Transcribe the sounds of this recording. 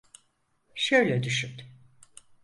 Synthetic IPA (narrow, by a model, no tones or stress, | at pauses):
ʃøjlʲɛd̪yʃyt̪